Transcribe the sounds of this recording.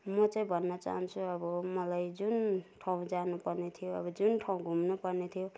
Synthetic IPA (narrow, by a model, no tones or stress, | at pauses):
mʌt͡saĩbʱʌnːʌt͡sa̰ɦant͡sʰuʌbʌmʌlajd͡zunʈʰaw̃d͡zanupʌrnet̪ʰijoʌ̰bʌd͡zunʈʰaw̃ɡʱumnupʌrnet̪ʰijo